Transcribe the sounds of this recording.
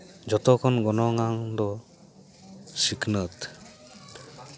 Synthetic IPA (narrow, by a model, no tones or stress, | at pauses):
d͡ʒɔt̪ɔkʰɔnɡɔnɔŋaŋd̪ɔ | siknət̪